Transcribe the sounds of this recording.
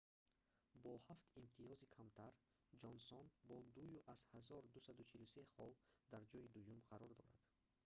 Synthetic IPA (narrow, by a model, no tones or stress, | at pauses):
bɔhaft̪imt̪ʰiɔzikʰamt̪ʰaɾ | d͡ʒɔnsɔnbɔd̪ujuʔaz̥hazɔɾd̪usad̪ut͡ʃʰiluse̞χɔld̪aɾd͡ʒɔid̪ujumʁaɾɔɾd̪ɔɾa̰d̪̥